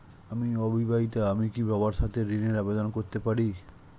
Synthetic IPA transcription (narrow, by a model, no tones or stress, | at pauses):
amiɔbʱibait̪aamikibabaɾʃat̪ʰeɾineɾabed̪onkoɾt̪epaɾi